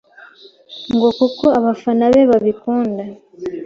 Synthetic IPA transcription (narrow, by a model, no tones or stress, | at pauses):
ŋɡo̞kukoaβafanaβeβaβikuːnda